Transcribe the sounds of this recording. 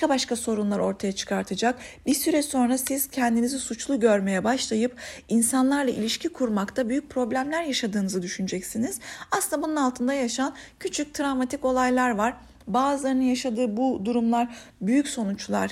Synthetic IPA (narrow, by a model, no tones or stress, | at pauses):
kabaʃkaso̞ɾunlˠaɾo̞ɾt̪ʰajat͡ʃʰɯ̥kʰaɾt̪ʰɯd͡ʒak̚biɾsyɾɛso̞nɾasiz̥cʰɛnd̪inizisut͡ʃlˠuɟø̞ɾme̞jɛbaʃlˠajɯp̚insanlˠaɾlˠaʔḭlʲiʃcʰikʰuɾmakt̪ʰabyjyc̚ʲpʰɾo̞blʲæmlʲæɾjaʃad̪ɯːnɯzɯd̪yʃynyd͡ʒɛcsiniz̥asɯnd̪abununalˠt̪ʰɯnd̪ajaʃancʰyt͡ʃʰyc̚t̪ʰɾavmat̪ʰiko̞lˠajlˠaɾvaɾ̥ | baːzɯlˠaɾɯnɯnjaʃad̪ɯːbud̪uɾumlˠaɾbyjycʲso̞nut͡ʃlˠa̰ɾ̥